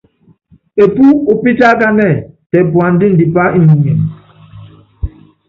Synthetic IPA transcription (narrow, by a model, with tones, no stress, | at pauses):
e˨pu˦u˨pi˦ta˦ka˦mɛ˦˨tɛ˨pwa˨n̩˦di˦n̩˨di˨pa˦i˦mi˨ɲ˨ɛ˨m